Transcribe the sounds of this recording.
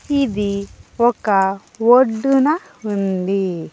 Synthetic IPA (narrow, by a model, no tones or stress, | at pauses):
id̪iɔkːɐ | woɖːunɐ | und̪i